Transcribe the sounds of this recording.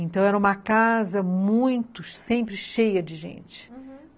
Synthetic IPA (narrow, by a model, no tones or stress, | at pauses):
ẽnt̪ɐ̃w̃ɛɾɐũmɐkazɐmũj̃t̪ʊʃsẽmpɾɪʃejɐd͡ʒɪʒḛ̃nt͡ʃɪ̥